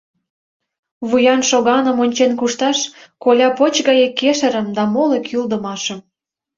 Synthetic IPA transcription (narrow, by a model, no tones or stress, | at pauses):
βujɑnʃoɣɑnə̆monʲt͡ɕenkuʃt̪ɑʃkolʲɑpot͡ɕɣɑjekːeʃə̆ɾə̆md̪ɑmolekʰyld̪ə̆mɑʃəm